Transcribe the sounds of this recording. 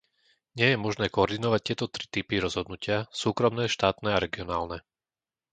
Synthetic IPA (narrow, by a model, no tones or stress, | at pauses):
ɲɪɛjɛmɔʒnɛːkɔɔɾd̪inɔʋac̚t̪ɪɛt̪ɔt̪ɾi̥t̪ipiɾɔzɦɔd̪nucɪasuːkɾɔmnɛːʃt̪aːt̪nɛaɾɛɡiɔnaːlnɛ